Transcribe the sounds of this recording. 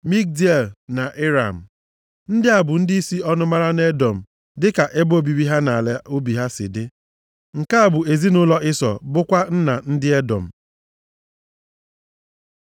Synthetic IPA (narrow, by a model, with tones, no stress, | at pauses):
mi˦k̚di˦e˨lna˨ʔe˦ɾa˨m̩˨ | n̩˦dɪ˦a˨bʊ˨n̩˦dɪ˦i˦si˦ɔ˦nʊ˦ma˦ɾa˦ne˦dɔ˨m̩˨ | dɪ˦ka˨ʔe˦bo˦˨bi˨bi˦ɦa˦na˨le˦o˦bi˨ɦa˦sɪ̰˨dɪ˦ | ŋ̩˨ka˦a˨bʊ˨e˨zi˦nʊ˦lɔ˦ʔɪ˦sɔ̰˨bʊ˦kʷa˦n̩˦na˨n̩˦dɪ˦e˦dɔ̰˨m̩˨